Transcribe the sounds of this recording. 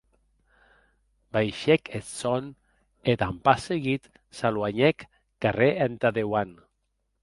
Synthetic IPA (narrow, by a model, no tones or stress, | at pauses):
bajʃɛkʰet̪son | et̪ampaseɣit̪ | salwaɲɛkː | areent̪aðewan